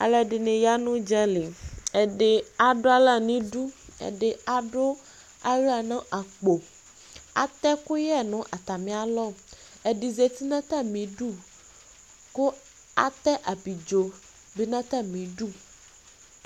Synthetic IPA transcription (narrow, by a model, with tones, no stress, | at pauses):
a̰˨lɛ˨ɖe˨nẽ˨ja˦nũ˦d͡ʒa˦li˨e˨ɖe˨a˨ɖo˦a˨la˦˨nĩ˦ɖu˦ḛ˨ɖe˨a˨ɖo˦ | a˦ɾa˨nã˦ʔa˨k͡po˨ | a̰˨t̪ɛ˦ko˦jɛ˦˨nũ˦ʔa˨t̪a˨mĩ˨˦a˨lɔ˦˨ | e˨ɖi˨ze˨t̪i˦nã˦t̪a˦˨mĩ˨ɖu˦˨ | ko˦ | a̰˨t̪ɛ˦ʔa˨bi˨d͡ʒo˨ | be˦nã˦t̪a˦mĩ˨ɖu˦˨